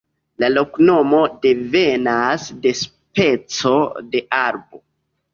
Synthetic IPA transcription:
lalo̞kno̞mo̞de̞ve̞nasde̞s | pe̞t͡so̞de̞ʔaɾbo̞

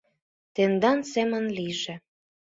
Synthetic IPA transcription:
t̪end̪ɑnsemə̆nliʒĕ

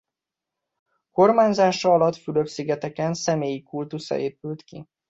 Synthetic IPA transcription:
ko̞rmaːɲzaːʃɒɒlɒt̪fyløbsiɡɛt̪ɛkɛnsɛmeːjikult̪usɒ̰ʔeːpylt̪kḭ

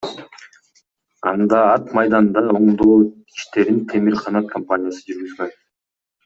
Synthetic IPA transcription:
ɑnd̪ɑɑt̪mɑjd̪ɑnd̪ɑo̞ɴd̪oː | i̥ʃt̪e̞ɾint̪ʰe̞miɾqʰɑnɑt̪kʰompaɲʲijasɯd͡ʒyɾɡyzɡøn

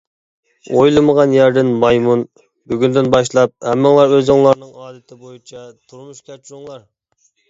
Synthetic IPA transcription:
ojlˠɨməʁɑnjæɾd̪ɪnmɑjmun | byɡʲynd̪ɪnbɑʃ̬lˠɑp̚hɛmːɪŋlˠɑɾøzɨŋlˠɑɾnɨŋɑːd̪ɪt̪ʰɪbojut͡ʃʰɑt̪ʰuɾmuʃkʲæt͡ʃʰɾʊŋlˠɑɾ

